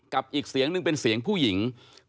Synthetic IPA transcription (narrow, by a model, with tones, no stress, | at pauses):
ka˨˩p̚ʔiː˨˩k̚si˨˦əŋnɯ˨˩ŋpe˧nsi˩˦əŋpʰuː˥˩ji˩˦ŋ